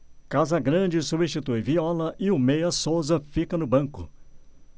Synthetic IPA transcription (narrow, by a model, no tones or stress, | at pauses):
kazɐɡɾɐ̃d͡ʒɪsubĩʃt͡ʃit̪ujviɔlɐʔɪʊmejɐsowzɐfikɐnʊbɐ̃ŋkʊ̰